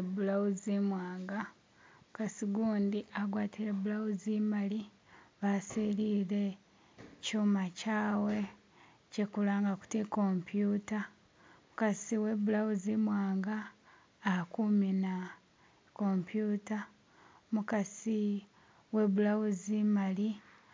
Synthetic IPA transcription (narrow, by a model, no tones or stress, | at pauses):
ebulawuzimwaːŋɡa | mukasiɡuːndiʔaɡwaːtiɾeβulawuzimali | βaseliɾe̞ | cuːmacaːwe̞ | cekulaːŋɡaku̥teko̞mpjuːta | mukasiwe̞bulawuzimwaːŋɡaː | kumina | ko̞mpjuːta | mukasi | we̞βulawuzimali